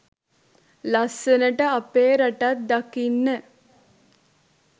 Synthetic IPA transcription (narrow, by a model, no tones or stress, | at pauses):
lasənəʈəapeːɾaʈat̪̚d̪akinːə